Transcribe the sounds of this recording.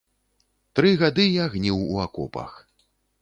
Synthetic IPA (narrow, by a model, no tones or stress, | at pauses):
t̪ɾɨɣad̪ɨjaɣnʲiwuakɔ̰pɐ̰x